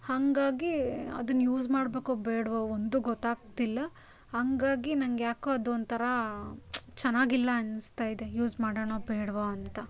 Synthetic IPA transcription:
hɐŋɡaːɡiɐ̰d̪ɐnːjuːd͡ʒmaːɽbe̞ːkoːbeːɽʋoond̪uɡɔt̪ːaːɡ̚t̪ilːɐ | hɐŋɡaːɡinɐŋɡjaːkuɐd̪ond̪t̪ʰɐɾɐ | t͡ʃɛnːaːɡilːɐɐnst̪aːjd̪e̞juːzmaːɽoːɳoːbeːɽʋoɐnt̪ɐ

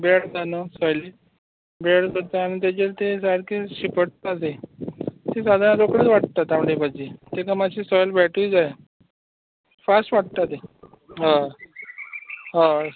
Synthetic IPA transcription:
beɽd͡zanəsɔjli | beɽkəɾt̪aañit̪̬jat͡ɕelt̪esaɽkeɕipəɽ̚t̪at̪e | t̪esad̪ʱanaɾokɽet͡sʋaʈ̚t̪at̪amɽepad͡ʑet̪ekamaɕisɔjlbɛʈʰiːd͡zaj | fasʈʋaʈ̚t̪at̪e | ɦã | ɦã

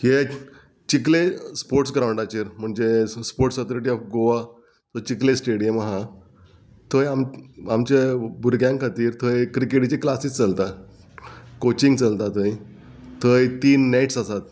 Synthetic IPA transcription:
ke | t͡ɕik̬lespoɾʈsɡɾawɳɖat͡ɕiːɾm̤əɳd͡zespoɾʈsət̪oɾiʈ̬iɔfɡoʋa | t̪ot͡ɕiklesʈeɽijəmaɦã | t̪ʰəjamamt͡ɕebuɾɡjãŋkʰat̪iːɾt̪ʰəjkɾikeʈit͡ɕeklasist͡səlt̪a | kot͡ɕiŋɡt͡səlt̪at̪ʰəj | t̪ʰəjt̪iːnːajʈsasat̪

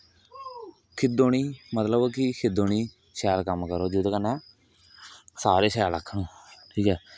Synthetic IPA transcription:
kʰɪd̪oːɳiːmət̪ləbkɪkʰɪd̪oːɳiː | ʃɛːɾkəmkəɾoːd͡ʒʊd̪kənãː | saːɾeːʃɛːləkʰːɳũːʈʰiːkɦɛː

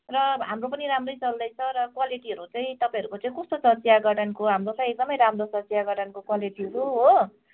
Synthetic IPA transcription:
rʌɦamropʌniɾamrʌjt͡sʌld̪ʌjt͡sʰʌɾʌkwaliʈiɦʌɾut͡saĩt̪ʌpãj̃ʌɾukot͡sãĩkʌst̪osʌt͡sijaɡʌʈʰʌnkoɦamrot͡sãj̃ek̚d̪ʌmʌjɾamrosʌsjaɡʌʈʰʌnkokwaliʈiʌɾuɦo

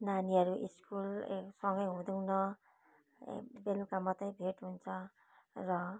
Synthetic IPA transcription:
naniʌɾuʔḭskulsʌŋɡʌjɦũd̪ʌwnʌ | belukamʌt̪ʌjbʱeʈɦunt͡sʰʌ | rʌ

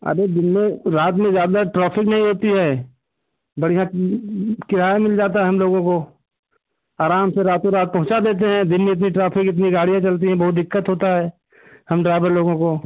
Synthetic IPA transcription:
ɐ̰ɾed̪ɪnmẽɾaːt̪mẽzjaːd̪aʈɾaːpʰɪknɐɦĩɦoːt̪iɦɛː | bɐɽijã | kɪɾ̤aːemɪld͡ʒaːt̪aɦɛɦɐmloːɡõko | aːɾaːmseɾaːt̪mẽɾaːt̪̚pɐɦʊ̃t͡ʃad̪eːt̪̬eɦɛ̃d̪ɪnmẽɪt̪̬niʈɾaːpʰɪkɪt̪niɡaːɽijãt͡ʃɐlt̪̬iɦɛ̃bɐɦʊt̪̚d̪ɪkːət̪ɦoːt̪aɦɛː | hɐmɖɾaːɪʋəɾloːɡõko

